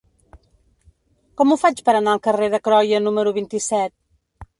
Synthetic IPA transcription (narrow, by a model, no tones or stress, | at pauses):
kɔmufat͡ʃpəɾənaəlˠkəreðəkɾɔjənuməɾuβ̞int̪isɛt̪̚